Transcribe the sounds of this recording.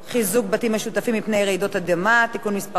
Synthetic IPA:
χizuk̚batimeʃutafimːipne̞jʁeido̞thad̪emat̪ikunmispa

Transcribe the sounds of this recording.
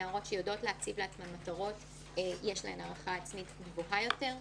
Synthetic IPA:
ʁo̞tʃejodo̞tleat͡sivleat͡smanmataʁo̞t | ejeʃla̰enaʁaχaːt͡smitnevuɦajo̞te̞ʁ

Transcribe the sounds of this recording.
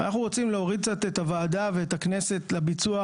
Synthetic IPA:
anaχuʁot͡simleo̞ʁid̪̚kt͡sat̪et̪avaːdave̞ːtakne̞se̞tlabit͡sua

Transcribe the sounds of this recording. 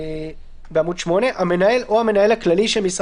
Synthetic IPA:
beamudʃmo̞ne̞ʔamenae̞lʔo̞hame̞naje̞laklaliʃemis

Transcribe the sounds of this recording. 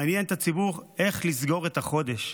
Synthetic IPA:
njent̪at͡sibuʁe̞χlizɡo̞ʁet̪aχo̞d̪e̞ʃ

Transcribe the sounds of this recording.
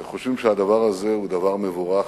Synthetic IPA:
χoʃvimʃead̪avaʁaze̞ud̪avaʁme̞vuʁa

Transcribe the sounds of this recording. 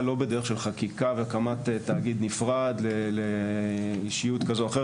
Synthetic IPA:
lo̞bed̪eʁeχʃe̞lχakikavekamat̪etaːɡid̪nifʁadlele | iʃijut̪kazoaχe

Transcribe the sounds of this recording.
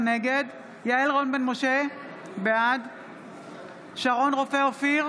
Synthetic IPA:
ne̞ɡe̞d̪ | jaelʁonbenmoʃe̞ | bead̪ | ʃaʁo̞nʁo̞feofiʁ

